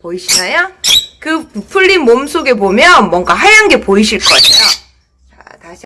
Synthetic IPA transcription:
poiɕʰinajokɯppʰuʎːinmomsʰoɡe̞bomjʌnmwʌŋɡaɦajanɡe̞poiɕʰiɭk͈ʌejo | ataɕʰ

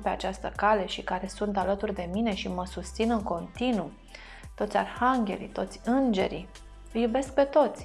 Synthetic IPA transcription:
pe̞a̰t͡ʃast̪əkale̞ʃikaɾe̞sunt̪alət̪urʲd̪e̞mine̞ʃiməsust̪sinɨŋko̞nt̪inu | t̪o̞t̪sʲa̰rhaŋɡʲe̞̰lḭt̪o̞t̪sʲɨnd͡ʒe̞̰ɾḭ | jube̞sk̚pe̞t̪o̞t̪sʲ

